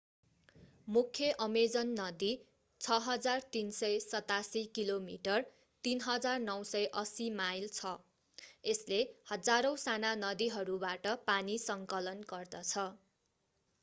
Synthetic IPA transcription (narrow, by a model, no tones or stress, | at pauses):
mukʰːjʌʔʌmed͡zʌnːʌd̪i | t͡sʰʌɦʌd͡zart̪insʌjsʌt̪asikilomḭʈʌr | t̪inɦʌd͡zarnʌwsʌjʔʌsimajlt͡sʰʌ | eslehʌd͡zaɾʌw̃sananʌd̪iɦʌɾubaʈʌpanisʌŋkʌlʌnɡʌrd̪ʌt͡sʰʌ